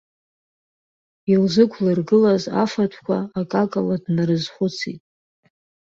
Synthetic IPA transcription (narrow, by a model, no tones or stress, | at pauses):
ilzɨkʷʰlɨrɡɨlaza̰fatʷʰkʷʰaakʼakʼaladnaɾɨzχʷʊt͡sʰḭtʼ